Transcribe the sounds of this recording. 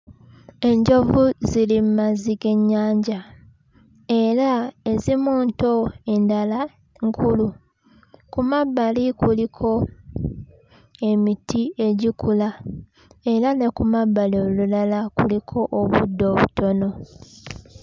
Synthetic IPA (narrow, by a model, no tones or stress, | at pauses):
e̞ɲɟo̞vuzilimumaziɡe̞ɲːaːɲɟa | e̞ɾaezimuːnto̞e̞ndala | ŋkʰulu | kumabːalikulikʰo̞ | e̞mitie̞ɟikula | e̞ɾane̞kumabːalolulalakulikʰo̞ʔːβṵdːo̞ːβṵto̞no̞